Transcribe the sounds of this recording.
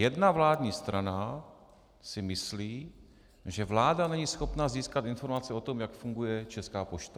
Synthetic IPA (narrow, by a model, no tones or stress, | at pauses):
jɛdnavlaːdɲiːst̪ɾʔana | sɪmɪsliː | ʒɛvlaːdanɛɲiːsxo̞pnaziːskat̪ɪnfo̞ɾmat͡sɛo̞t̪o̞mjakfuŋɡujɛt͡ʃɛskaːpoʃt̪a